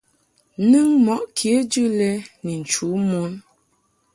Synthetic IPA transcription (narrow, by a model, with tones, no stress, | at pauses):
nɨ˦ŋmɔ˨ʔkʰje˨˦d͡ʒɨ˦lɛ˦ni˨n̩˨t͡ʃu˨˦mu˦n